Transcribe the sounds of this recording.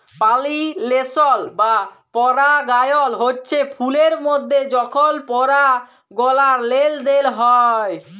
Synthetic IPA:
palilesolba | pɔɾaɡajolɦotːɕʰepʰuleɾmod̪ʱːed͡ʑɔkʰolpɔɾa | ɡɔlaɾleld̪elɦɔe

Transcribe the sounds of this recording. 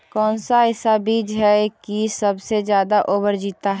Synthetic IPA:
kɔːnsaɦɪsabiːd͡ʒɦɛkisəbsed͡ʒjaːd̪aʔoːbəɾd͡ʒiːt̪aɦ

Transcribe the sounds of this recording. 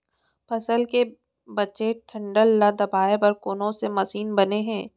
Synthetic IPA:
pʰɐsəlke | bɐːʃeʈʰɐ̃ɳɖəlːad̪ɐbaːepɐɾkoːnõsemɐsiːnbɐneɦɛ̃ː

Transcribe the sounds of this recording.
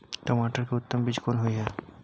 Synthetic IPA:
ʈɐmaːʈəɾkeʊt̪ːəmbid͡ʒkoːnɦʊiɦɛː

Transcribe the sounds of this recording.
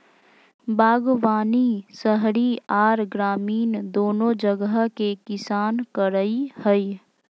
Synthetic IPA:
baːɡʋaːnisəɦɽiaːɾɡɾaːmiːnd̪oːnõd͡ʒəɡəɦkekɪsaːnkəɾəihəi

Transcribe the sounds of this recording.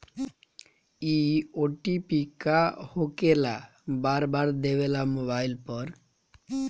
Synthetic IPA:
ioʈipikahokela | baɾbaɾd̪ebelamobajlpɔɾ

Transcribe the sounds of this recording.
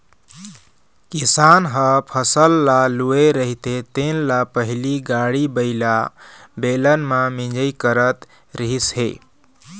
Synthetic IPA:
kisanɦəpʰəsəlːalueɾəɦit̪et̪enlapəɦiliɡaɽibəɪla | belənmamĩd͡ʒəjkəɾət̪ | ɾəɦisɦḛ

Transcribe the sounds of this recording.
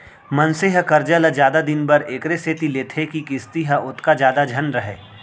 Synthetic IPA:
mɐnsɪɦəkɐɾd͡ʒələd͡ʒjaːd̪ad̪ɪnbɐɾeːkɾeseːt̪ileːt̪ʰekikɪst̪iɦəʊt̪ʰkad͡ʒjaːd̪ad͡ʒʱɐnɾɐɦḛː

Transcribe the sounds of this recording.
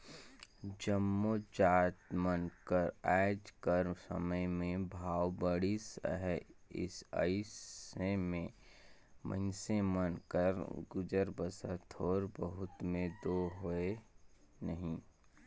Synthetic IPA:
d͡ʒəmːod͡ʒaːt̪mənkəɾaːɪd͡ʒkəɾmsə̰məjmẽbʱaːwbəɽisə̰ɦɛɪ̰sə̰ɪsemẽ | mʔə̰̃nsemənkəɾɡʊd͡ʒəɾbəsət̪ʰɔːɾbəɦʊt̪mẽd̪oːɦoe | nəɦĩ

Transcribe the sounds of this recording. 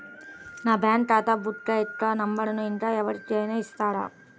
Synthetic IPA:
naːbaːɳʈaːt̪aːbuʈɾɐɛt̪ːɐnɐmbɐɽɐnuind̪ɐɛʋɐɽikːeneːist̪aːɽɐ̰

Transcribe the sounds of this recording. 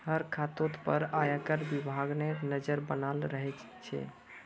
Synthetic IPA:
həɾkʰat̪ot̪pəɾajakəɾbibʱaɡnenəd͡ʒəɾbənalɾəɦɛt͡ʃ | t͡ʃʰɛ̰

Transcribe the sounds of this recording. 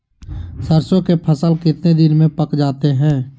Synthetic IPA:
səɾsõkepʰəsəlkɪt̪ned̪ɪnmẽpəkd͡ʒaːt̪eɦɛ̃ː

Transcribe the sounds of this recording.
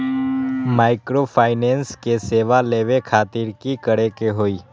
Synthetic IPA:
maːɪkɾopʰaːɪnenskeseːʋaleʋekʰaːt̪ɪɾkikəɽekeɦoːiː

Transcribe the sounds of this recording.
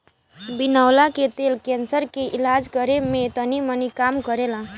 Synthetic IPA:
binəwlaket̪elkensəɾkeʔilad͡zkʌɾemet̪ʌnimʌnikamkʌɾelã

